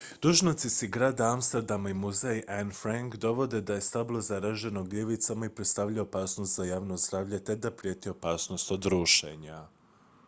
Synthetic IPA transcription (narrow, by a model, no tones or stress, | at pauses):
d̪̥uʒnot̪sisiɡɾaːd̪aamst̪eɾd̪amaimuzejʔanfɾaŋkd̪o̞ʋo̞d̪e̞d̪aje̞st̪ablˠozaɾaʒe̞no̞ɡlʲeʋit̪samaipɾe̞t̪st̪aʋʎaopaːsnost̪zajaːʋno̞zd̪ɾaːʋʎe̞t̪e̞d̪apɾije̞t̪io̞paːsno̞st̪od̪ɾuːʃḛɲa